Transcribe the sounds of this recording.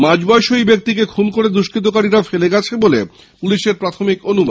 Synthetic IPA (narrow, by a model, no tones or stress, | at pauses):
mãd͡ʑbɔeʃoibek̚t̪ikekʰunkoɾed̪ɾuʃkɾit̪̬okaɾiɾafeleɡɛt͡ɕʰebole | puliʃeɾpɾat̪ʰomikonubad̪